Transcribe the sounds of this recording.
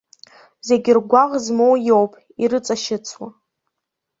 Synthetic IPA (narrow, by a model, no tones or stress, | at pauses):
ze̞ɡʲɪrɡʷaʁzmowjowpʼ | iɾɨt͡sʼaʃɪt͡sʰwa